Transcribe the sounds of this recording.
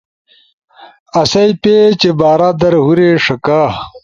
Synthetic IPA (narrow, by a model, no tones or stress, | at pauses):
ɐsɐjpet͡ɕebaːɾaːd̪ɐɾɦuɾeʂɐkaː